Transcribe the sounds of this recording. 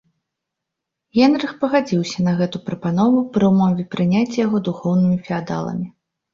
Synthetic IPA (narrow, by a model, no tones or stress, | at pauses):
jʲɛnɾɨxpɐɣad͡zʲiwsʲɐnɐɣɛt̪upɾɐpanɔvupɾɨwmɔvʲɛpɾɨnʲat͡sʲːɐjaɣɔd̪uxɔwnɨmʲifʲiad̪a̰lˠɐ̰mʲi